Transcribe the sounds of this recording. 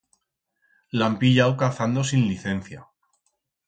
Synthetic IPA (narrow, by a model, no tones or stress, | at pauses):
lampiʎawkaθand̪osinliθe̞n̟θja